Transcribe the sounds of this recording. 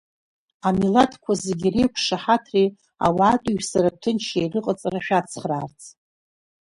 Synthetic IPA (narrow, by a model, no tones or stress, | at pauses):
amilatʰkʷʰazeɡʲirejkʷʰʂaħatʰri | a̰waːtʼuɥᶣsaɾap̚tʰɨnt͡ʃʰejrɨqʼət͡sʼaraʃᶣat͡sʰχraːrt͡sʰ